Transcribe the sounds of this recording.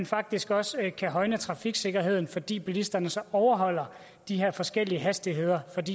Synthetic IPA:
nfɑ̈ɡ̥̚d̥isɡ̥ɒ̽skʰæɦɒ̽ɪnət͡sʰʁɑ̈fiɡ̥se̝ɡ̥ɐɦe̝ð̞̰ˠn̩fɒ̽d̥ḭːb̥elisd̥ɐnəsɒ̽ɒʊɐɦɒ̽l̰ɐ | d̥iɦe̝ɐ̰fɒ̽sɡ̥el̰iəɦæsd̥iɦe̝ð̰ˠɐfɒ̽d̥ḭ

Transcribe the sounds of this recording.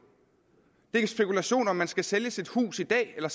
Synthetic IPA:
d̥e̝eɡ̥əsb̥e̝kulæɕo̝̰ːnɒ̽mːænsɡ̥æseljəsid̥hṵːsid̥ɛ̰ːelɐs

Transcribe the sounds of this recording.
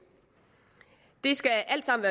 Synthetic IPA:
d̥esɡ̥æʔæl̰d̥sɑ̈m̰n̩ʋæː

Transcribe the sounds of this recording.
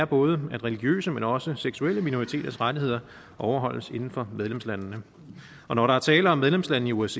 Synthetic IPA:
ɐb̥ɔ̽ːð̞ˠəæd̥ʁɛliɡ̥jø̰ːsəmenɒ̽səseɡ̥sueləminoʁit͡sʰe̝̰ːd̥ɐsʁad̥iɦe̝ð̰ˠɐ | ʔɒʊɐɦɒ̽l̰əse̝nn̩fɒ̽með̞ˠlemslænnə | ɒ̽nɒɾɑ̈æɐt͡sʰɛːləɒ̽meðˠlemslænːn̩iues

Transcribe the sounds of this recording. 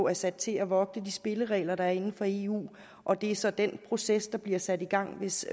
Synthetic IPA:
æɐsæd̥t͡sʰe̝læʋɒ̽ɡ̥nəd̥isb̥e̝ləʁɛ̰ːlɐɾ̥ɑ̈æɐe̝nn̩fɒ̽e̝ːṵː | ʔɒ̽d̥e̝æɐsɒ̽d̥en̰pʰʁo̝sesd̥ɑ̈b̥liɐ̰sæd̥iɡ̥ɑ̈ŋ̰ʋe̝s

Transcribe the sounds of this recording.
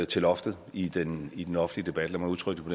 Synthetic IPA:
t͡sʰe̝lɒ̽fd̥ð̩ˠid̥enid̥enɒ̽fn̩liəd̥e̝b̥æd̥əlæmæuðˠt͡sʰʁœɡ̥d̥əpʰɒ̽de

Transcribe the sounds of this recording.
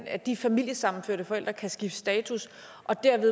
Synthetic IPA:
næd̥ifæmil̰jəsɑ̈mn̩føɐ̰d̥əfɒ̽el̰d̥ʁɐkʰæsɡ̥ifə̥sd̥ɛːt͡sʰus | ʔɒ̽d̥æɐ̰ʋe̝ðˠ

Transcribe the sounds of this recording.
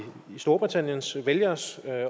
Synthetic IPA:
isd̥o̝ɐb̥ʁit͡sʰæn̰jənsʋeljɐs

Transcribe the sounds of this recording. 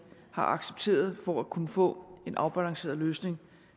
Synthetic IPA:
hɑ̈ʔɑ̈ɡ̥seb̥t͡sʰe̝̰ːɐð̞ˠfɒækʰunəfɔ̰̽ːe̝nʔɑ̈ʊb̥ælɑ̈ŋse̝̰ːɐðˠløːsne̝ŋ

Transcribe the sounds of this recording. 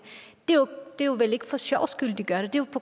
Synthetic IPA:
d̥ejd̥e̝juʋele̝ɡ̥əfɒ̽sɑ̰ʊsɡ̥yl̰d̥iɡ̥ɶɐɾ̥ed̥e̝jʊpʰoɡ

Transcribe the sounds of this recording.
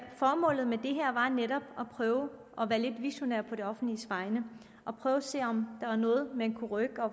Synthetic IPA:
fɒːmɔ̰̽ːl̰ð̩ˠmed̥e̝ɦæɐ̰ʋɑ̈neɾɒ̽b̥ɒ̽pʰʁœːʊ | ɒ̽ʋæːɐle̝d̥ʋiɕo̝næ̰ɐpʰɒ̽ɾe̝ɒ̽fn̩d̥lisʋɑ̈ɪnə | ʔɒ̽pʰʁœːʊɒse̝̰ːɒ̽md̥ɑ̈æɐnɔ̽ːð̞̩ˠmee̝nkʰuʁœɡ̥ɒ̽

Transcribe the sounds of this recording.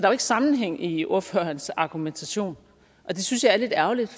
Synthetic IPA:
d̥ɑʋeɡ̥əsɑ̈mn̩ɦeŋ̰iʔo̝ɐ̰fø̰ːɐnsɑ̈ɡ̥ument͡sʰæɕo̝̰ːn | ʔɒ̽d̥e̝synsjɑ̈ɪæɐle̝d̥æɐlid̥

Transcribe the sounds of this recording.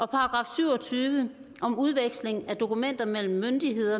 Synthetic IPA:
ʔɒ̽pʰɑ̈ːɡ̥ʁɑ̈ːfsyʊ̰ɒ̽t͡sʰyːʋə | ʔɒ̽muð̞ˠʋeɡ̥sle̝ŋæd̥o̝kumen̰d̥ɐmel̰m̩ːønd̥iɦe̝ð̞̰ˠɐ

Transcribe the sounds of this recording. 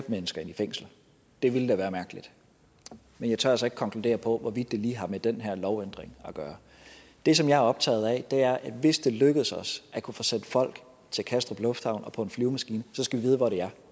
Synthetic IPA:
b̥menəsɡ̥ɐe̝nifeŋ̰sl̩ | d̥e̝ʋiləd̥æʋæːɐmæɐɡ̥əlid̥ | menjɑ̈ɪt͡sʰɶɐ̰ælsɒe̝ɡ̥̚kʰɒ̽ŋkʰlude̝̰ːɐpʰɒ̽ʋɒʋid̥̚ːe̝liːɦɑ̈med̥enɦæɐ̰lɒʊen̰d̥ʁeŋɒɡ̥ɶːɐ | d̥e̝s̬ɒ̽mjɑ̈ɪæɒ̽b̥̚t͡sʰɛ̰ːð̞̩ˠɛd̥e̝æɐʔæ̥ʋe̝sd̥e̝løɡ̥əð̩ˠsɒ̽sʔækʰufo̽sen̰d̥fɒ̽l̰ɡ̥ | t͡sʰe̝lkʰæsd̥ʁɐb̥lɔfd̥hɑ̈ʊnɒ̽pʰɒ̽e̝nflyːʊmæsɡ̥iːnəsɒ̽sɡ̥æʋiʋiːð̞̩ˠʋɒɾ̥e̝æɐ

